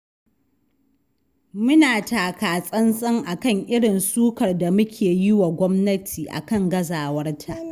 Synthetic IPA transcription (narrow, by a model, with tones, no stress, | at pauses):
mʊ˦naː˨taː˨kaː˨sʼɐ˦nsʼɐ˦ŋʔa˨kɐ˦ŋʔɪ˦ɽɪ˨nsuː˦kɐ˨rda˨mʊ˦kʲʰeː˨jɪ˦wa˨ɡʷɔ˦mnɐ˦tʰiː˨ʔa̰˨kɐ˦ŋɡɐ˦zaː˨wɐ˦rtʰaː˦